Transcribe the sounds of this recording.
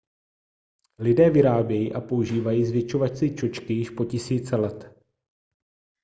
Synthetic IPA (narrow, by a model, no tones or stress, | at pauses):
lɪdɛːvɪɾaːbjɛjiːʔapo̞uʒiːvajiːzvjɛt͡ʃo̞vasɪt͡ʃo̞t͡ʃkɪjɪʃpo̞cɪsiːt͡sɛlɛt̪